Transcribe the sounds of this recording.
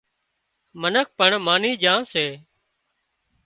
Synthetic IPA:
mənək̚ʰpəɳmaːniːd͡ʒãːseː

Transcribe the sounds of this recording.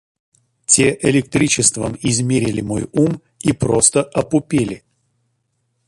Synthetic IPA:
tʲeʔɪlʲɪk̚t̪ɾʲit͡ɕɪst̪və̰mɪzmʲeɾʲɪlʲɪmo̞̰jum | ipɾost̪əʔɐpʊpʲelʲɪ

